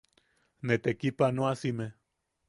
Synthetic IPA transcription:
net̪ekipanoasime

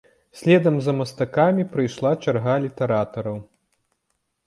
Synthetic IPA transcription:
sʲlʲɛd̪ɐmzɐmɐst̪akamʲipɾɨjʂlˠat͡ʃarɣalʲit̪ɛɾat̪ɐɾɐw

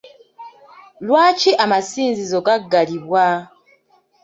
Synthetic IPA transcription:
lwaːciʔamasiːnzizoɡaɡːaliβwa

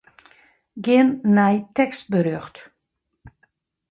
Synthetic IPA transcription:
ɡɪənːɛjtɛkst̚bəɾøxt

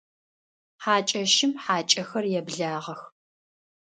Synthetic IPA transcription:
ħaːt͡ʃʼɐʃɪmħaːt͡ʃʼɐxɐrjɛbɮaːʁɐx

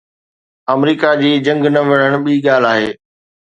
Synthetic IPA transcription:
ɐmɾiːkad͡ʑiːd͡ʑɐ̃ŋɡnɐʋɐɽ̤̃əɽ̃ɓiːɠaːl̤aːɦeː

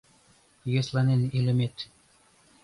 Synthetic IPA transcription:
jeslˠɑnenilʲɘ̆met̪

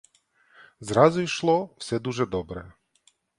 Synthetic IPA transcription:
zɾɑzʊiʃlˠɔwsɛd̪uʒɛd̪ɔbɾɛ̰

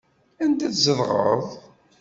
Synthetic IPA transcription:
ænd̪æθzəðˤʁə̰ðˤ

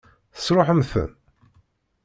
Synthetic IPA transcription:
θə̥sɾoħəmθə̰n

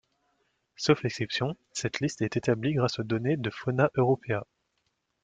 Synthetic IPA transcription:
sofɛksɛpsjɔ̃ | sɛt̪list̪ɛt̪et̪abliɡʁasod̪ɔned̪əfɔnaʔøʁɔpeã

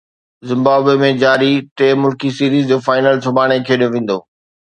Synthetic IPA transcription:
zɪ̃mbaːbemẽd͡ʑaːɾit̪eːmʊlkisiːɾiːzd͡ʑoːfaːɪnəlsʊbʱaːɽ̃ekʰeːɗijoʋẽːn̆d̪oː

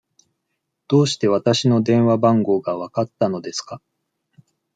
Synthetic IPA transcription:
d̪̥o̞ːɕi̥t̪e̞β̞at̪aɕino̞d̪ẽ̞ɰ̃βabãŋɡo̞ːɡaβakat̪ːano̞d̪e̞sɨ̥ka

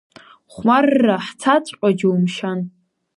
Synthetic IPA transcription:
χʷmarːaħt͡sʰat͡ɕʷʼqʷʼad͡ʒwumʃan

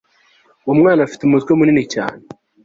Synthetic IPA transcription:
womŋaːnafi̥teumutkwiomuninica̰ːne

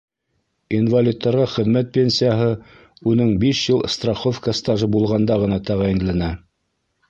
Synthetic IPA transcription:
invalʲit̪ːɑɾʁɑχɘ̆ðmæt̪̚pʲenʲsʲijaɦɤ | unɘŋbiʃjɤlˠst̪raχofkast̪ɑʒɤbulˠʁɑnd̪ɑʁɤ̆nɑt̪æʁɑĭnlænæ

